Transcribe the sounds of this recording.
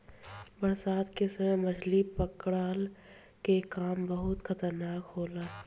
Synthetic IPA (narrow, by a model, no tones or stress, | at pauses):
bɐɾsaːt̪kesɐməmɐd͡ʒlipɐkɽaːl | kekaːmbɐɦʊt̪xʰɐt̪əɾnaːkɦoːlaː